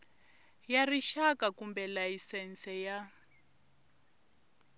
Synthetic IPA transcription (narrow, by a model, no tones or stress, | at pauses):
jariʃakakumbɛlajisɛnsɛja